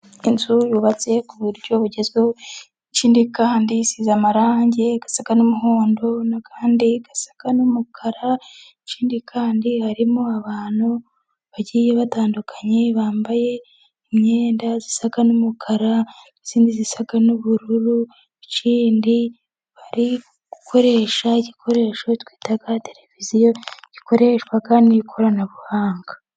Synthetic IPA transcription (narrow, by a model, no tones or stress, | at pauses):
inzujuːβat͡se̞kuβuɾɟo̞βuɟe̞zo | iciːndikaːndisizamaɾaːɲɟe̞ɡ̥asaɡanomuɦoːndo̞nakʰaːndiɡasḁkanumukʰaɾaiciːndikʰaːndihaɾimo̞aβaːn̥hu | βaɟiːjeβataːndukʰaɲe̞βaːmbaje̞ | imɲeːndazisaɡanumukʰaɾa | iz̥iːndizisaɡanuβuɾuɾu | iciːndi | βaɾi | ɡ̥ukʰo̞ɾe̞ːʃaiɟikʰo̞ɾe̞ːʃotwi̥ːtaɡate̞ɾevizijo̞ɟ̥iko̞ɾe̞ːʃkwakaniikʰoɾanaβuhaːŋɡḁ